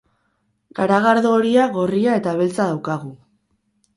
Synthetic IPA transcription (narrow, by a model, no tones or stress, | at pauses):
ɡ̥aɾaɣaɾðoːɾiaɣo̞riae̞t̪aβ̞e̞lt͡sað̞awkaɣu